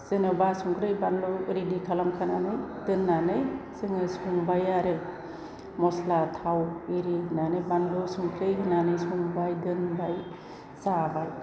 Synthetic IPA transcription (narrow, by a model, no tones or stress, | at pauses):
zɯnɯbasuŋkʰɾɯjbanlɔɾidikʰalamkʰananɯjdɯnːanɯjsɯŋɯsuŋbajaɾɯ | mɔslatʰawiɾinanɯjbanlɔsuŋkʰɾɯjɦɯnanɯjsuŋbajdɯnbaj | sabaj